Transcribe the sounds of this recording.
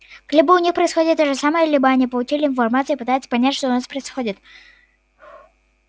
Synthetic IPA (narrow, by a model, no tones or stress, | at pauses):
klʲibəʊnʲixpɾəɪsxo̞dʲɪt̪ːoʐɨsaməjəlʲibəɐnʲipəlˠʊt͡ɕilʲɪɪnfɐrmat̪sɨipɨt̪ajɪt̪sə̥pɐnʲætʲʂt̪oʊnaspɾəɪsxodʲɪt̪